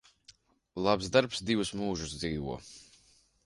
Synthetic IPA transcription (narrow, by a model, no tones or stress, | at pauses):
lˠapzd̪aɾpsd̪ivusmuːʒusd̪ziːvṵɔ